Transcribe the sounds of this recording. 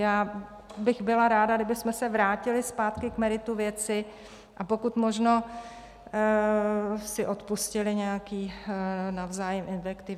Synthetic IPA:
jaː | bɪxbɪlaɾaːdadɪbɪsmɛsɛvɾaːcɪlɪspaːt̪kɪkmɛɾɪt̪uvjɛt͡sɪ | ʔapo̞kut̪mo̞ʒno̞ | sɪʔo̞t̪puscɪlɪɲɛjakiːnavzaːjɛmʔɪnfɛkt̪ɪv

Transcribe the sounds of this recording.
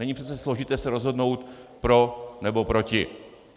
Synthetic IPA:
ɛɲɪpr̥ɛt͡sɛslo̞ʒɪt̪ɛːsɛɾo̞zɦo̞dno̞wt̪pɾo̞nɛbo̞pɾo̞cɪ̰

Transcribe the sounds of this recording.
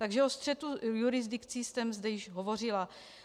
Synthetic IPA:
t̪aɡʒɛost̪r̝̥ɛt̪ujuɾɪzd̪ɪkt͡sist̪ɛmzd̪ɛjɪʒɦo̞vo̞r̝ɪla

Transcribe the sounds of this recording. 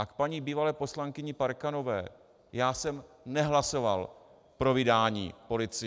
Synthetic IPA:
akpaɲiːbiːvalɛːpo̞slaŋkɪɲɪpaɾkano̞vɛ̰ː | jaːsɛm | nɛɦlaso̞val | pɾo̞vɪdaːɲḭːpo̞lɪt͡sɪ

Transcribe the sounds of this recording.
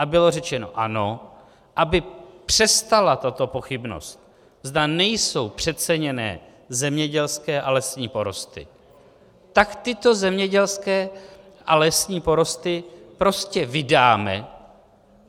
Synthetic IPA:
ʔabɪlo̞rɛt͡ʃɛno̞̰ʔano̞ | ʔabɪpr̝̥ɛst̪alat̪at̪o̞po̞xɪbno̞̰st̪ | zd̪anɛjso̞wpr̝̥ɛt̪̚t͡sɛɲɛnɛ̰ː | zɛmɲɛɟɛlskɛːʔalɛsɲiːpo̞ɾo̞st̪ɪ̰ | t̪akt̪ɪt̪o̞zɛmɲɛɟɛlskɛː | ʔalɛsɲiːpo̞ɾo̞st̪ɪpɾo̞scɛvɪdaːmɛ̰

